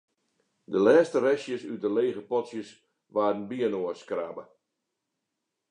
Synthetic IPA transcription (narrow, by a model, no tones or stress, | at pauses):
dəlɛːstəɾɛsjəsyt̚dəleːɣəpɔtsjəs | ʋaːrdən̩biənoəskraːbə